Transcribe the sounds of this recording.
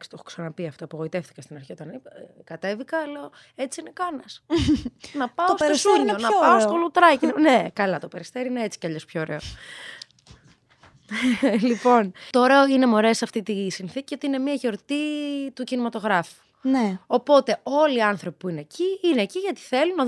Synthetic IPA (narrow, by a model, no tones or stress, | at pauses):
ksi̥t̪o̞xo̥ksɐnɐpiɐft̪oɐpo̞ɣo̞it̪eft̪i̥kɐst̪inɐɾçio̞t̪ɐnikɐt̪e̞vikɐlɐ | et͡siinekɐnɐs | nɐpɐost̪oseɾonɐpɐost̪olut̪ɾɐcinne̞kɐlɐt̪ope̞ɾist̪eɾiineet͡si̥cɐʎo̞spçooːɾe̞o | lipo̞nt̪ooɾe̞oine̞mo̞ɾe̞sɐft̪it̪isinθicio̞t̪iine̞miɐʝo̞ɾt̪it̪ucinimɐt̪o̞ɣɾɐfu̥ | nneopo̞t̪e̞o̞liɐnθɾo̞pipuineciineciʝɐt̪i̥θe̞lunɐ